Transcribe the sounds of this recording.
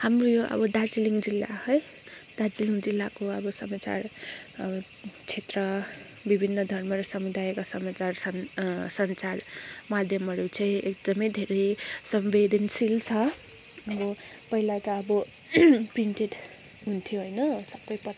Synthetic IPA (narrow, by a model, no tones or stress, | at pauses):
hamrojoʔʌ̰bʌd̪ad͡ziliŋɡd͡zilːa̰hʌj | d̪̥ad͡ziliŋɡd͡zilːakoʌbʌsʌmat͡sa̰r | t͡sʰet̪rʌ | bibʱinːʌd̪ʱʌrmʌɾʌsʌmud̪ajkasʌmat͡sarsʌnsʌnt͡sar | mad̪ʱjʌmʌɾot͡sʰʌjek̚d̪ʌmʌjd̪ʱeɾʌjsʌmbed̪ʱʌnsilt͡sʰʌ | ʌbʌ | pʌilat̪ʌːbʌ | prinʈeʈ | ɦunt̪ʰijoɦojnʌsʌbʌjpʌ